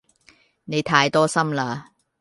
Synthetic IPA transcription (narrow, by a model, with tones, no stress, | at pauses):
ne˨˧jt̪ʰaː˧jt̪ɔː˥sɐ˥mlaː˧